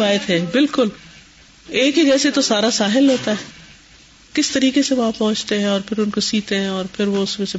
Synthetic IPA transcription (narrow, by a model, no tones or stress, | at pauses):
aːjət̪ɦɛːbɪlkʊl | eːkɦid͡ʒɛːset̪osaːɾasaːɦɪlɦoːt̪aɦɛː | kɪst̪ɐɾiːkeseʋɐɦãpɔ̃ɦʊ̃t͡ʃt̪eɦɛ̃ɔːɾpʰɪɾʊnkosiːt̪eɦɛ̃ɔːɾpʰɪɾʋoʊsmẽse